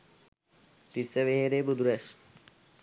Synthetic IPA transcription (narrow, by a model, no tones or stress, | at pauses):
t̪iseʋeɦeɾebud̪ɾes